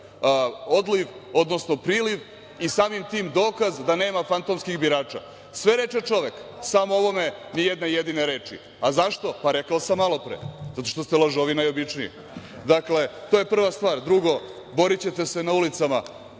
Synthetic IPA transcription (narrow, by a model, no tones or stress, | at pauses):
od̪liʋo̞d̪nosno̞pɾiːliʋ | isaːmimt̪iːmd̪o̞ːkazd̪ane̞ːmafant̪omskiɣbiɾaːt͡ʃa̰ | sʋe̞ɾe̞t͡ʃet͡ʃo̞ʋeksaːmoo̞ʋo̞me̞nijed̪nejed̪ineɾeːt͡ʂḭ | azaʃt̪o̞paɾekaosamːalˠo̞pɾḛzat̪o̞ʃt̪ost̪elˠoʒoʋinajobit͡ʃnijḭ | d̪akle̞t̪oje̞pr̩ʋast̪ʋaːɾd̪ɾuɡo̞ | bo̞ɾit͡ɕe̞t̪e̞senaulit̪sama